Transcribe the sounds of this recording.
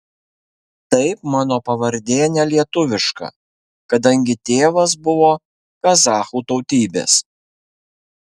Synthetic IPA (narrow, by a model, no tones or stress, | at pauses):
t̪ɐɪpmɑːnoːpɐʋɐɾʲd̪ʲeːnʲɛlʲiɛt̪ʊʋʲɪʃkɑ̰ː | kɐd̪ɐŋʲɡʲɪt̪ʲeːʋɐs̬bʊʋoː | kɐzɑːxuːt̪ɔʊt̪ʲiːbʲḛːs